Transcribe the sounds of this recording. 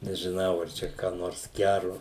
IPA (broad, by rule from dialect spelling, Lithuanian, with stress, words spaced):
nʲɛʒʲɪˈnɐʊ ɐr ˈt͡ʃʲɛ kɑː ˈnoːrs ˈɡʲærʊ